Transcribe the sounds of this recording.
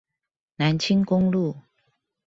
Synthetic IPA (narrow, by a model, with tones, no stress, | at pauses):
na˨˦nt͡ɕʰi˦nkʊ˥ŋlu˥˨